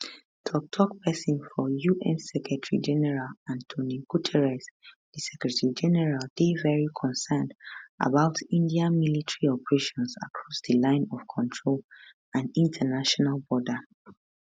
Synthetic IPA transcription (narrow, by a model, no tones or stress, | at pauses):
tʰɔk̚tʰɔk̚pʰɛsĩnfɔjuʔɛ̃nsɛkɹɛtʰɹḭd͡ʒɛnɛɹalãntʰoniɡ̥utʰɛɹɛs | dɨsɛkɹɛtɹid͡ʒɛnɛɹald̥evɛɹikʰɔ̃nsɛndʔa̰baʊtʰĩndiãmilitəɹiɔpəɹeʃɔ̃nsa̰kʰɹɔsdəlãɪ̃nɔv̥kʰɔ̃ntʰɹol | ãnĩntʰənaʃɔnalbɔdə